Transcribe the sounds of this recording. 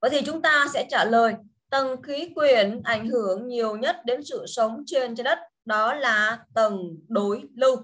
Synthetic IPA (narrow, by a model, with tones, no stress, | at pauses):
və˨˦t̪ʰi˨˩t͡ɕʊ˨˦ŋ͡mt̪aː˧sɛ̰˧˥t͡ɕaː˧˩ləː˨˩j | t̪ə˨˩nxi˨˦kwi˨˧˩ənʔa˧˩jŋ̟ɦɨ˧˩əŋɲi˨˩əwɲə˦˥t̚ɗe˨˦nsɨ̰˧˨sə˨˦wŋ͡mt͡ɕe˧nt͡ɕɔ˧ɗə˦˥t̚ | ɗɔ˨˦laː˨˩t̪ə˨˩nɗo˨˦jlɨ˧w